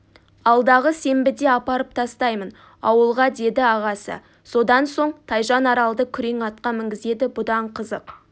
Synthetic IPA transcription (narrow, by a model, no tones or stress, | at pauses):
ɑlˠd̪ɑʁəse̞mbɪd̪e̞ɑpɑɾəp̚t̪ʰɑst̪ɑjmən | ɑ̰wəlˠʁɑd̪e̞d̪ɪɑʁɑsə̰ | so̞d̪ɑnso̞ɴt̪ʰɑjʒɑnɑɾɑlˠd̪əkʲʰʏɾe̞ŋɑt̪̚qɑmɪŋɡʲɪze̞d̪ɪbʊd̪ɑɴqʰəzəq